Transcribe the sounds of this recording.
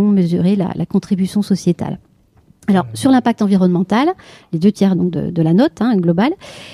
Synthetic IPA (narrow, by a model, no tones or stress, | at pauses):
ɔ̃məzyʁela̰lʔa̰kɔ̃t̪χibysjɔ̃sɔsjet̪a̰l | alɔʁsyʁlɛ̃pak̚t̪ɑ̃viʁɔnmɑ̃t̪alled̪øt̪jɛʁd̪ɔ̃k̚d̪ə̰d̪əlanɔt̪ɛ̃ɡlɔbal